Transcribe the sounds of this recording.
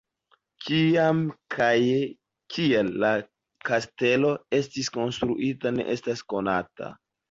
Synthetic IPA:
kiamkʰaje | kielːa | kaste̞lo̞e̞stisko̞nstɾṵʔitane̞̰ʔe̞stasko̞na̰ta̰

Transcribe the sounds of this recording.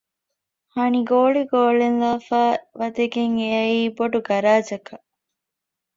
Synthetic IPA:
hɐniɡoːɭiɡoːɭenlaːfaːʋɐd̪eɡeŋeɐiːboɖuɡɐɾaːd͡ʒɐkɐ

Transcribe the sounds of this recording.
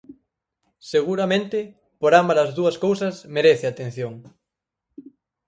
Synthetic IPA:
seɣ̞uɾamẽnt̪ɪ | poɾambalazðuɐskowsɐsmeɾeθeat̪ẽn̟θjoŋ

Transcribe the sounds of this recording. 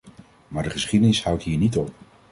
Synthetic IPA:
maːɹdəχəsχidənɪsɦʌwtɦiːɹnitɔp̚

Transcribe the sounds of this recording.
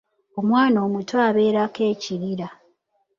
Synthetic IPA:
o̞mwaːno̞ːmutwaːβe̞ːɾake̞ːciɾiɾa

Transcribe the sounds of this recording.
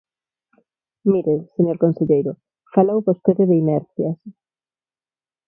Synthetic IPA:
miɾeseɲoɾkonseʎejɾʊ | falowβost̪eðɪðɪinɛɾθjas

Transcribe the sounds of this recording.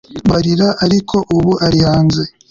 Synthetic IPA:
βaɾiɾaʔaɾikʰo̞ʔuβuʔaɾihaːnze̞

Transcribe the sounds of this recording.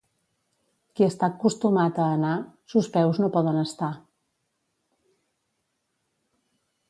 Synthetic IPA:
kiəst̪akust̪umat̪əːnasuspɛwznopɔðənəst̪a

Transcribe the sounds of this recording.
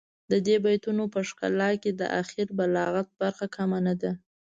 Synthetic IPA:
d̪əd̪ebajt̪unopəʂka̰lɑked̪ə̰ʔa̰xiɾbalɑɣat̪̚baɾxakʰamanad̪a

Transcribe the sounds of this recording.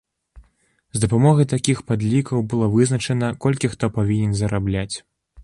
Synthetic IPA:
zd̪ɐpamɔɣɐjt̪akʲixpad̪lʲikɐwbɨlˠɔvɨzn̪ɐt͡ʂɛnɐkɔlʲkʲixt̪ɔpavʲinʲɛnzɐɾablʲat͡sʲ

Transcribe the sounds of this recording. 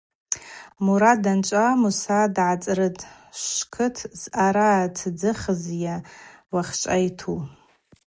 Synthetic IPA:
muɾadant͡ʃʷʼamusadʕat͡sʼrɨtʼ | ʃʂkʰɨtʰz̥ʔaɾatʰd͡zɨχəzjawaχt͡ʃʷʼajtʰu

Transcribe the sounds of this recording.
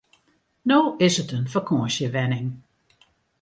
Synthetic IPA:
noːɪsətənfərkʰɔəsjəʋɛnɪŋ

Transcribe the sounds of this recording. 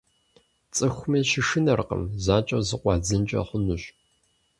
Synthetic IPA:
t͡sʼɨxʷmiːʃɪʃɨnɐrqə̰mzaːt͡ʃʼɐzɨqʷɑːd͡zɨnt͡ʃʼɐ̰χʷʊnuɕ

